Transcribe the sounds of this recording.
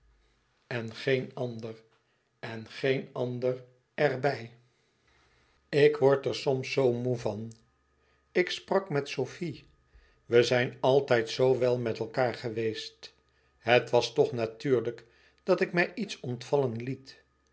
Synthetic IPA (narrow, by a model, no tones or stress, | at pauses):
ɛnχejnɑndər | ɛnχejnɑndər | ɛɹbɛj | ɪkʋɔɹtɛɹsɔmsowmuvɑn | ɪksprɑkmɛtsowfi | ʋəzɛjnɑlˠtɛjtsowʋɛlˠmɛtɛlˠkaːɹχəʋejst | ɦətʋɑstɔχnatyːɹlək | d̥ɑtɪkmɛjʔitsɔntfɑlənlit